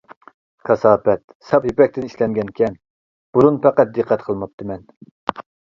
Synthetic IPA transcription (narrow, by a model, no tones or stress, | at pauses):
kʰɑsɑːpɛt̪ | sɑpjipɛk̚ʲt̪ɪni̥ʃlɛŋɡʲɛnkʲʰɛn | b̥uɾunpæqæt̪̚d̪ɨqʰːæt̪qʰəlˠmɑp̚t̪ʰɨmɛn